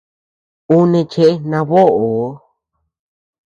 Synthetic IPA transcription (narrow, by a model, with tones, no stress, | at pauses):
u˦nẽ˧t͡ʃe˧ʔnã˧βo˦ʔo˨o˦